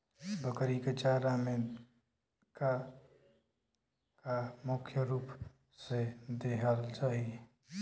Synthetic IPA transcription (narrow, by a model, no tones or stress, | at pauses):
bʱəkəɾiket͡ʃaɾame | ka | kamʊkʰjəɾuːp | sed̪eɦəlt͡ʃaːɦie